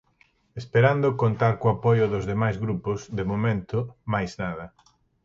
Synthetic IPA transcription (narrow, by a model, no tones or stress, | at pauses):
espeɾand̪ʊkont̪aɾkoapɔjʊðʊzðemajzɣɾupʊzd̪emomẽnt̪ʊmajznað̞ɐ